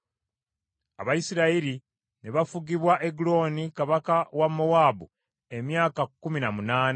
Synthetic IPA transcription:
a̰βajisiɾaiɾi | neβafuɡiβwaʔeɡulo̞ːnikaβakawamːowaːbu | e̞mjaːkakːuminamunaːna

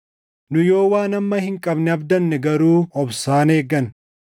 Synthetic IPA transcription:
nʊjo̞ːwaːnɐmːɐhɪŋkʼɐbnɪɐbd̪ɐnːɛɡɐɾuːɔbsaːne̞ːɡːɐn

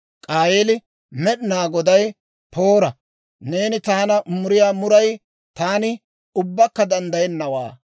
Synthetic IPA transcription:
kʼaːjeːlɪ | mɛɗɪnaːɡɔd̪ɐj | pʰo̞ːɾɐ | ne̞ːnɪt̪aːnɐmʊɾɪjaːmʊɾɐj | t̪aːnɪ | ʊbːɐkːɐd̪ɐnd̪ɐjɛnːɐwaː

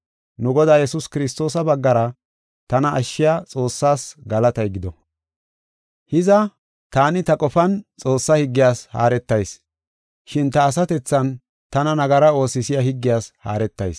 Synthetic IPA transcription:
nʊɡɔd̪aːjɛsʊskɪɾɪst̪o̞ːsɐbɐɡːɐɾɐ | t̪ɐnɐʔːʃːɪjat͡sʼo̞ːsːaːsɡɐlɐt̪ɐjɡɪd̪ɔ | hɪzɐ | t̪aːnɪt̪ɐkʼɔfɐnt͡sʼo̞ːsːɐhɪɡːɪjaːsha̰ːɾɛt̪ːɐjs | ʃɪnt̪ɐːs̬ɐt̪ɛt͡sːɐn | t̪ɐnɐnɐɡɐɾɐo̞ːsːɪsɪjahɪɡːɪjaːsha̰ːɾɛt̪ːɐ̰js

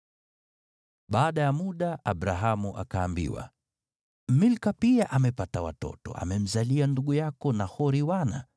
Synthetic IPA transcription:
ɓaːɗajamuɗaʔaɓɾaɦamuʔa̰kaːmbḭwa̰ | milkapiaʔamɛpatawa̰tɔ̰tɔ̰a̰mɛm̩zalianduɠujakɔnahɔɾiwana

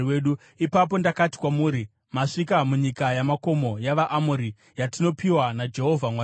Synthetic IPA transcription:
eɗu | ipap̬o̞ndakati̥kwamuːɾi | maʂikamuɲikajamako̞mo̞jaʋaʔːmuɾi | jatino̞piwanad͡ʒe̞ɦo̞vʱamwa

